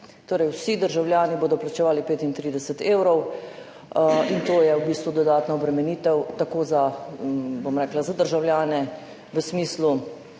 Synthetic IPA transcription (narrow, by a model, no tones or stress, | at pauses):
t̪oːɾɛjwsid̪əɾʒawlʲjaːniboːd̪ɔplat͡ʃɛʋaːlipeːt̪int̪ɾiːd̪ɛsət̪eːwɾɔw | int̪oːjɛwbiːst̪ʋud̪ɔd̪aːt̪naɔbɾɛmɛniːt̪ɛwt̪akoːza | bomɾɛːklazad̪əɾʒawljaːnɛ | ʋəsmiːslu